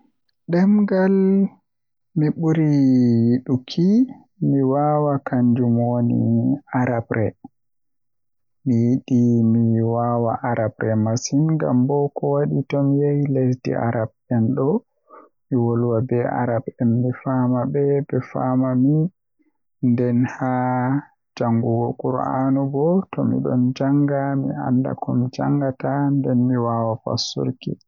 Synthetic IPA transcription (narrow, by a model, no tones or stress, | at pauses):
ɗɛmɡal | miɓuɾijiɗukʰi | miwawakaɲd͡ʒumonḭaɾabɾʔɛ | mijiɗimiwawaʔaɾʔabɾɛmasinɡa̰mbɔkɔwaɗitɔmijajlesdḭa̰ɾab̚ | ɛnɗɔ | miwɔlwabɛa̰ɾabɛnmifamabɛbɛfamami | ndɛnha | d͡ʒaŋɡuɡɔkuɾa̰nubɔtɔmḭɗɔnd͡ʒaŋɡamḭa̰nda̰kɔmd͡ʒa̰ŋɡatandɛnmiwawafa̰sṵɾkḭ